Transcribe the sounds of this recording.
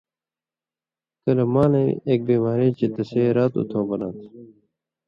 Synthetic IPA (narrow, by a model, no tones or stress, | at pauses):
kɐlɐmaːnɐieːk̚biːmaːɾeːt͡ɕet̪ɐseːɾaːt̪ṵt̪ʰoːbɐnaːt̪ʰ